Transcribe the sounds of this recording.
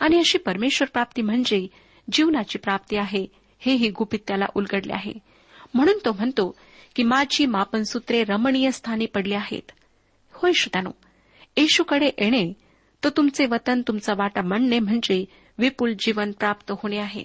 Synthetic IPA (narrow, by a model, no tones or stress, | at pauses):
aɽ̃iəɕiːpəɾmeɕʋəɾpɾap̚t̪iːm̤əɳd͡ze | d͡ʑiʋnat͡ɕiːpɾap̚t̪iːaɦe | heɦiːɡupit̪jala̰ʔulɡəɽlḛa̰ɦḛ | m̤əɽ̃uːnt̪om̤əɳt̪o | kimad͡ʑiːmapənsut̪ɾeɾəmɳijəst̪ʰaniːpəɽliaɦḛt̪ | hojɕut̪ano̰ | eɕukəɽeʔeɽ̃e | t̪ət̪umt͡seʋət̪ənt̪umt͡səʋaʈəməɳnem̤əɳd͡ze | ʋipuld͡ʑiʋənpɾapt̪əɦoɽ̃eaɦḛ